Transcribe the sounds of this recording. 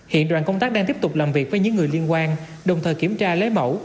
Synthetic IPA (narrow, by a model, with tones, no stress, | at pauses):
hḭ˧˨ənɗwa̰ː˧˨nkə˧wŋ͡mt̪aː˦˥k̚ɗaː˧ŋt̪i˦˥p̚t̪ʊ˨˩k͡p̚laː˨˩mvi˨˩ək̚vəː˨˦jɲɨ̰˧˥ŋːɨ˨˩əjli˧ənkwaː˧n | ɗə˨˩wŋ͡mt̪ʰəː˨˩jki˧˩əmt͡ɕaː˧le˨˦˥mə̰˧˩w